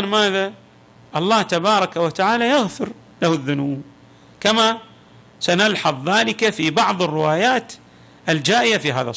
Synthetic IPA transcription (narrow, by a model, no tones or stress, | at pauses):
nmaːða | ʔɑlˤːɑːht̪abɑːɾˤɑkawat̪aʕaːlajaɣθʊɾ | lahʊðːʊnuːb | kama | sanalħɑðˤðaːlɪkafibɑʕðˤɨrːɪwaːjaːt̪ | ʔɪld͡ʒaːʔɪjafiːɦaːða̰